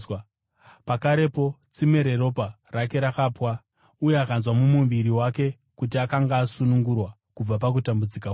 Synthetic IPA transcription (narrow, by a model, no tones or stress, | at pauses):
pakaɾe̞po̞t͡simeɾe̞ɾo̞pa | rake̞ɾakaːpwa | ujeakanzwamumumʋiɾiwake̞ | kut̬iakaŋɡaːsunuŋɡurwa | kub͡vapak̬utambud͡zika